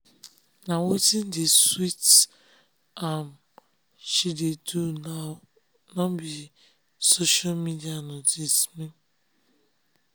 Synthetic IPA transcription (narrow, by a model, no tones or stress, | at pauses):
nawotin̩dɪswit | am | ʃidedu | nɔmbi | soʃalmidianɔdismĩn